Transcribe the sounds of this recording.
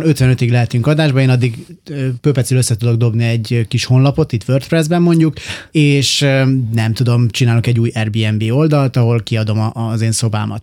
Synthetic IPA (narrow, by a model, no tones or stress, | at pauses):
nø̞t̪ʋɛnø̞t̪iɡlɛɦɛt̪yŋkɒd̪aːʒbɒeːnɒd̪ːiɡøːføːpɛt̪syløsːɛt̪ud̪o̞ɡ̚d̪o̞bniɛɟkiʃho̞nlɒpo̞t̪it̪ʋø̞rt̪prɛzbɛmːo̞ɲɟukeːʃnɛmt̪ud̪o̞mt͡ʃinaːloŋkɛɟːuːjɛrbiːɛmbeːo̞ld̪ɒlt̪ɒɦo̞lkiɒd̪o̞mɒzeːnso̞ba̰ːmɒ̰t̪